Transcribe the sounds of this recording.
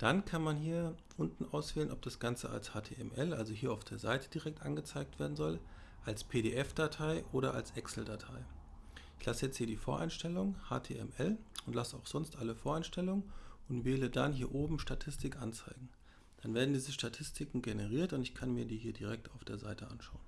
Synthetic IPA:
d̥ankʰanmanɦiːɐʔʊntn̩ʔaʊsv̥ɛːlənʔɔp̚d̥asɡ̥ant͡səa̰lshaːtʰeːɛ̰mʔɛlʔalzoɦiːɐaʊfd̥eːɐza̰ɪtəd̥iʁɛk̚tʔa̰nɡət͡saɪk̚tv̥eːɐdn̩zɔl | ʔalspʰeːdḛʔɛfd̥atʰaɪʔoːɾɐʔa̰lsʔɛksl̩datʰaɪ | ɪçlʔasəjɛt͡sthiːɐdiːfoːɐʔa̰ɪnʃtɛlʊŋha̰ːtʰḛːɛ̰mʔɛlʊntlasəaʊxz̥ɔnstʔaləfoːɐaɪnʃtɛlʊŋənʊntv̥eːlədanɦiːɐʔoːbm̩ʃtatʰɪstɪkʔant͡saɪɡŋ̩ | d̥anveːɐdn̩diːzəʃtatʰɪstʰɪkŋ̩ɡenəʁiːɐtʊntɪçkʰanmiːɐdiːɦiːɐdiʁ̞ɛk̚taʊfd̥eːɐza̰ɪtʰəʔa̰nʃaʊən

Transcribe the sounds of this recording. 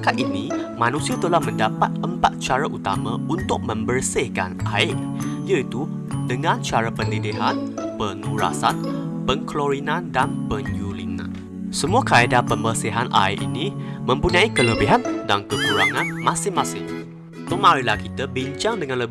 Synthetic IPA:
kat̪ʔinimanũsiat̪əlahmə̃ndapat̪̚əmpat̪̚t͡ʃaɾaʔut̪a̰mãunt̪ʊk̚mə̃mbərsɪhka̰naɪʔ | ijait̪u | dəŋãnt͡ʃaɾapələdiɦanpənuɾa̰san | pəŋkloɾinãndanpənjulḭnã̰ | səmuakaedapəmbərsɪɦanʔa̰ɪʔinĩmə̃mpuɲãikələbiɦandankəkuɾa̰ŋãnmãsɪŋmãsɪŋ | t̪omaɾilahkit̪əbiɲt͡ʃaŋdəŋãnləb

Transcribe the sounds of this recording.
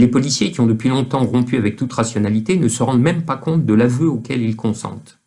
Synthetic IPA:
lepɔlisjekʲiɔ̃d̪əpɥilɔ̃t̪ɑ̃ʁɔ̃pyavɛk̚t̪ut̪ʁasjɔnalit̪enəsəʁɑ̃d̪mɛmpakɔ̃t̪̚d̪əlavøokʲɛlilkɔ̃sɑ̰̃t̪

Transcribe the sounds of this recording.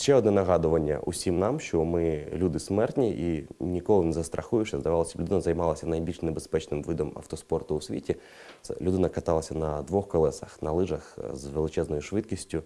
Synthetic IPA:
ʃt͡ʃɛɔd̪nɛnɐɦɑd̪ʊʋɐnʲːɐ̰ʔʊ̰sʲimnɑmʃt͡ʃɔmɪlʲud̪ɪsmɛrt̪ʲnʲiʔinʲikɔlˠɪnɛzɐst̪ɾʔɐxujʊt͡ʃɛzd̪ɐʋɑlˠɐsʲɐlʲʊd̪nɐzɐjmɑlˠɐsʲɐnɐjbʲilʲʃnebespɛt͡ʃnɪmʋɪd̪ɔmɐ̰wt̪ɔspɔrt̪ʊʊsʲʋʲitʲi | lʲʊd̪ɪnɐkɐt̪ɑlˠɐsʲɐnɐd̪ʋɔxkɔlˠɛsɐxnɐlˠɪʒɐxzʋelˠɪt͡ʃɛznɔjʊʃʋɪt̪kʲisʲtʲʊ

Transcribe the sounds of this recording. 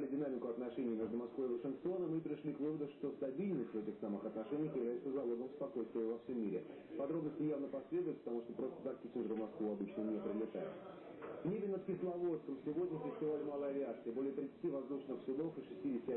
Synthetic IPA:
lʲɪdʲɪnamʲɪkʊɐt̪nɐʂɛnʲɪjmʲe̞ʐd̪ʊmɐskvoɪvəʂɨnkt̪o̞nəmɨpɾʲɪʂlʲikvɨvəd̪ʊʂt̪o̞st̪ɐbʲilʲnəsʲtʲvɛtʲɪxsamɨxɐt̪nɐʂɛnʲɪjəxjɪvlʲæjɪt̪səzɐlˠo̞ɡəmspɐko̞jst̪vʲɪəvɐfsʲomʲːiɾʲɪ̰ | pɐd̪ɾo̞bnəsʲtʲɪjavnəpɐsʲlʲe̞d̪ʊjɪt̪̚pə̥t̪ɐmuʂt̪opɾo̞st̪ə̥t̪akkʲisʲɪnʐəɾəmɐskvuɐbɨt͡ɕnənʲepɾʲɪlʲɪt̪ajɪ̰t̪ | vnʲebʲɪnət̪kʲɪslˠɐvo̞t̪skəmsʲɪvo̞dʲnʲəfʲɪsʲtʲɪvalʲɪmalˠəɐvʲɪat̪sɨəbo̞lʲɪjət̪ɾʲɪt̪sɨ̥tʲivɐzd̪uʂnɨxsʲɪd̪o̞fɨʂɨsʲtʲidʲɪsʲtʲɪ

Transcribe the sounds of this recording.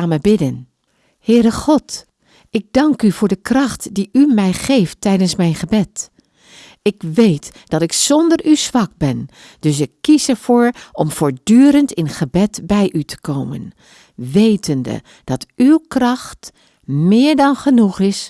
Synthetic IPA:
aməbɪdən | hɪːɾəχɔt | ɪɡ̚dɑŋkyvʊːɹdəkrɑχtdiʔymɛjχejftːɛjdənsmɛjnχəbɛt | ɪkʋejtd̥ɑtɪksɔndəɹyzʋɑk̚bɛn | dɵs̬ɪkːisəɹv̥ʊːɹɔmv̥ʊːɹdyːɾəntɪnχəbɛtbɛjʔytʰə̥kowmə̰n | ʋejtəndə̰ | d̥ɑtywkrɑχt | mɪːɹdɑnχənuχɪs

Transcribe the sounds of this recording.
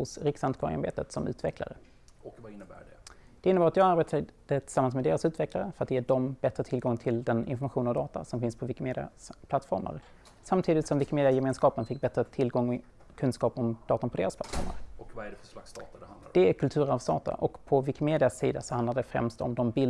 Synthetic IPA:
hʊsɾɪksant̪kʰɑːɾɪ̰aɾbḛːt̪ət̪sɔmʉ̟ːt̪vɛkʰla̰ɾə̰ | ɪnːəbæ̰ɖɛd̪̥ɛɪnːəbaɾat̪jɑːɡaɾbeːt̪ʰad̪ət̪ʰɪ̥samːansmɛd̪eːɾasʉ̟ːt̪vɛklaɾəfœɾat̪ːjeːɖɔmbɛt̪ɾət̪ʰɪlɡɔŋːt̪ʰɪld̪ɛnɪ̰nfɔɾmaɧuːnɔvd̪ɑːt̪a̰sɔmfɪnspʰɔvɪkɪmeːd̪ɪa̰spʰlat̪ːfɔɾma̰ɾ | samt̪ʰiːd̪ɪt̪sɔmvɪkɪmeːd̪ɪajɛmeːnskɑːpənfɪk̚ːbɛt̪ɾət̪ʰɪlɡɔŋ | kʰɵnskɑːpɔmd̪̥ɑːt̪anpʰɔd̪eːɾaspʰla̰t̪ːfɔ̰ɾma̰ɾɖɛast̪ɑt̪ad̪hnd̪̥ɛæɾkʰɵlt̪ʰʉ̟ːɾavst̪ɑ̰ːt̪ʰa̰ʔɔkpʰɔvɪkɪmeːd̪ɪasḭːd̪asɔhand̪adəd̪ɛfɾɛ̰mst̪ɔ̰md̪ɔmbɪl

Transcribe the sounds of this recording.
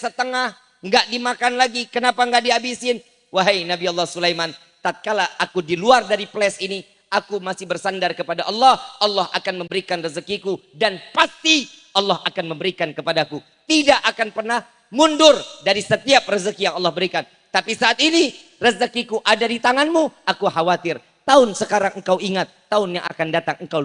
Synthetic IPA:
sət̪əŋah | ŋɡaʔdimakanlaɡikənapaŋɡaʔdiabisɪn | waɦajnabiɔlːɔhsulajman | t̪at̪̚kalaʔːkudiluardaɾiplɛsini | ʔakumasɪhbərsandarkəpadaʔɑlːɑhɑlːɑhʔakanməmbəɾikanrəzəkikudanpast̪iʔɑlːɑɦakanməmbəɾikankəpadaku | t̪idaʔakanpərnah | mundʊrdaɾisət̪iap̚rəzəkijaŋɑlːɑhbəɾikan | t̪apisaːt̪̚ini | rəzəkikuʔadadit̪aŋanmuʔakuɦawat̪ɪr | t̪aʊnsəkaɾaŋəŋ̩kawiŋat̪ːaʊnja̰ŋʔa̰kandat̪aŋəŋka

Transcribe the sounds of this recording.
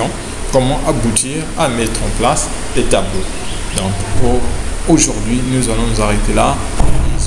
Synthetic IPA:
ɑ̃ | kɔmɑ̃ʔabut̪ʰiʁamɛt̪χɑ̃plasdet̪ablo | d̪ɑ̃pkooʒuʁd̪ɥinuzalɔ̃nuzaʁet̪ela | uz

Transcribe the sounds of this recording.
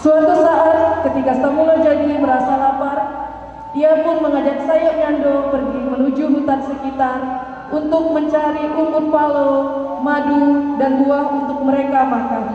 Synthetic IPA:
suat̪usaʔat̪̚kət̪ikasamulad͡ʒaɡiməɾasalapar | iapʊnməŋad͡ʒak̚sajaʔɲandopərɡimənud͡ʒuɦut̪ansəkit̪ar | unt̪ʊk̚məɲt͡ʃaɾiʔubʊrpalo | madudanbuahunt̪ʊk̚məɾekamakan

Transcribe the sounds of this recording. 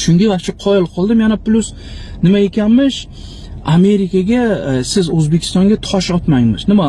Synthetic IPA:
ʃʊŋɡʲavaʃʊqʰɒjɪlˠqʰɒlˠd̪ɪmjanaplʊs | nɪmae̞kʲanmɪʃ | ame̞ɾɪkʲʰaɡʲasɪzɵzbe̞kʲʰɪ̥st̪ɒŋɡʲat̪ʰɒʃɒt̪majmɪznɪma

